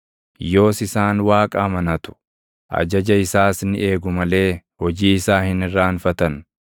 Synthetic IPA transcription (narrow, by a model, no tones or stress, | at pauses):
jo̞ːsɪsaːnwaːkʼamɐnɐt̪ʊ̥ | ʔɐ̰d͡ʒɐd͡ʒɐɪsaːsnɪʔe̞ːɡʊmɐle̞ːhɔd͡ʒiːɪsaːhɪnɪrːaːnfɐt̪ɐn